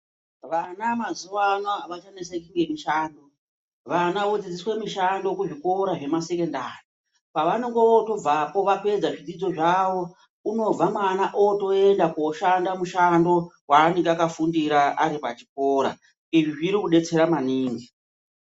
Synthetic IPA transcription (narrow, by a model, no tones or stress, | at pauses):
ʋanamazuʋanoaʋat͡ʃanesekiŋɡemiʃaːndo̞ | ʋanaʋo̞d͡zid͡ziswe̞miʃando̞kuʐiko̞ɾaʐe̞mase̞ke̞ndaːri | paʋano̞ŋɡo̞to̞b͡vapo̞ʋape̞d͡zaʐid͡zid͡zo̞ʐaʋo̞ | uno̞b͡vamanaʔo̞to̞e̞ndakoʃandamuʃando̞waːneŋɡeakafundiɾaaɾipat͡ʃi̥k̚oːɾa̰ | iʐiʐiɾikuɗe̞t͡se̞ɾamaniːŋɡi